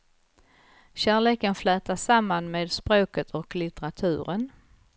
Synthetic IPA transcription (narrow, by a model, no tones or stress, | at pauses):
ɕæːɭeːkənflɛːt̪aʂamːanmeːd̪spɾoːkət̪ʰɔklɪt̪ɛɾat̪ʰʉ̟ːɾən